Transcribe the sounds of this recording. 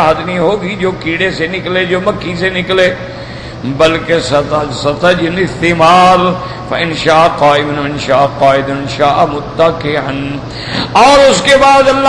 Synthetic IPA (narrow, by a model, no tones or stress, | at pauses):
ɦəd̪nĩɦoːɡid͡ʒoːkiːɽesenɪkleːd͡ʒoːmɐkʰːisenɪkleː | bɐlkesɐt̪sɐt̪əd͡ʒɪnɪst̪emaːɾ | fɐɪnʃaːqaːɪmnɪnʃaːqaːɪd̪ɪnʃaːʔmʊt̪ːəkeɦɐn | ɔːɾʊskebaːd̪ɐlːa